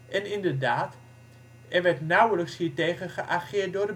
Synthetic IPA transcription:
ʔɛnɪndəɹdaːt | ɛʋɛtnawələkshiːɹtejχənχəʔaχɪːt̚dorə

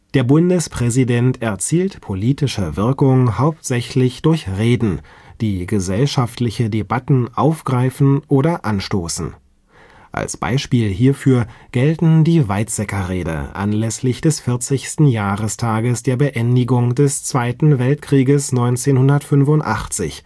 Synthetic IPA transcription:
d̥eːɐbʊndəspʁ̥ɛzidɛntɛɐt͡siːltpʰoliːtɪʃəvɪɐkʊŋhaʊp̚tz̥ɛçlɪçd̥ʊɐçʁeːdn̩ | d̥iːɡəzɛlʃaftlɪçədebatn̩ʔaʊfɡ̥ʁaɪfn̩ʔoːɾɐʔanʃtoːsn̩ | ʔa̰lsb̥a̰ɪʃpiːlɦiːɐfyːɐɡ̥ɛltn̩diːvaɪtz̥ɛkɐʁeːdə̰ʔa̰nlɛslɪçd̥ɛsfɪɐt͡sɪçstn̩jaːʁəstʰaːɡəsd̥eːɐbəʔɛndɪɡʊŋdɛst͡sv̥aɪtn̩vɛltkʁ̥iːɡəsnɔʏnt͡seːnhʊndɐtfʏnfʊntʔa̰χt͡sɪ̰ç

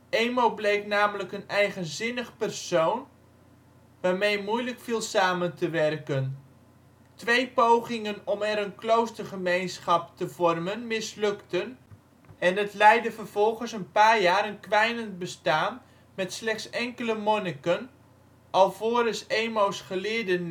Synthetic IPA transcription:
ejmowblejknaːmələkənɛjχənzɪnəχpɛrsown | ʋaːɹmejmujləkfiːlˠsaːməntəʋɛrkən | tʋejpowχɪŋənɔmɛɾənklowstərχəmejnsχɑptəvɔrmənmɪslɵktən | ɛnətlɛjdəvərv̥ɔlˠχənsənpaːɹjaːɾənkʋɛjnənbəstaːn | mɛtslɛχtsɛŋkələmɔnəkən | ʔɑlˠvoːɾəsejmowsχəlɪːɹdən

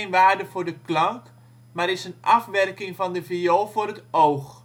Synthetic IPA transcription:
nʋaːrdəvʊːrdəklɑŋk | maɾɪsənʔɑfʋɛrkɪŋvɔndəvioːlˠvʊɾətowx

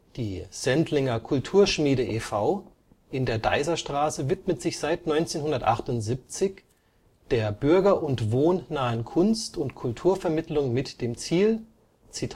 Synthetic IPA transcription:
d̥iːz̥ɛntlɪŋɐkʰʊltʰuːɐʃmiːɾəʔeːfaʊ | ʔɪndeːɐɡa̰ɪzɐʃtʁ̥aːsəvɪtmətz̥ɪçz̥aɪtnɔʏnt͡seːnhʊndɐtʔa̰χtʊntz̥ip̚t͡sɪç | d̥eːɐbʏɐɡɐʔʊntvoːnːaːənkʰʊnstʊntkʰʊltʰuːɐfɛɐmɪtlʊŋmɪtd̥eːmt͡siːl | t͡sitʰ

